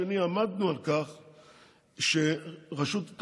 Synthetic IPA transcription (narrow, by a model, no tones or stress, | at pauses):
eniamad̪nualkaχ | ʃeʁaʃut̪t̪